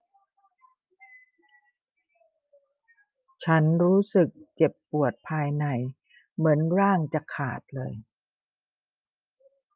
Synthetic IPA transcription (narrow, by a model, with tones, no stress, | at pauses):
t͡ɕʰa˦˥nɾuː˦˥sɯ˨˩k̚t͡ɕe˨˩pːu˨˩ət̪̚pʰaː˧jna˧˩j | mɯ˩˦ənɾaː˥˩ŋt͡ɕa˨˩kʰa̰ː˨˩t̪̚lɤ̰ː˧j